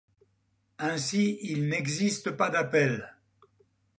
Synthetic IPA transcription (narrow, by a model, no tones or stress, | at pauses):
ɛ̃siilnɛɡzist̪əpad̪apɛl